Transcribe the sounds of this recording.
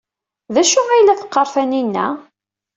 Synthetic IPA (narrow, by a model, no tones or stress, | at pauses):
ðæʃʊæjlæfə̥qːɑɾˤfæninːæ̰